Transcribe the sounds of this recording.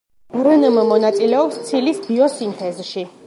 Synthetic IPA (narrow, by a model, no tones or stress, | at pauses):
ɾənəmmɔnat̪sʼilɛɔpst̪sʰilisbiɔsint̪ʰɛzʃi